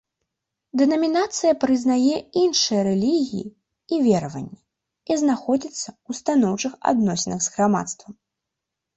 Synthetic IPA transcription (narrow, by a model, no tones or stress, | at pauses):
d̪ɛnɐmʲinat̪sɨjɐpɾɨznajɛinʂɨjɐɾɛlʲiɣʲiji | ivʲɛɾɐvɐ̰nʲːɛ | iznaxɔd͡zʲit̪sːɐust̪anɔwt͡ʂɨxa̰d̪nɔsʲɪnɐɣzɣɾama̰t̪st̪vɐm